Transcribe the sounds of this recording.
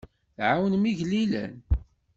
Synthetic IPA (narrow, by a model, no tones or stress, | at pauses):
θʕawənmiʝlilæ̰n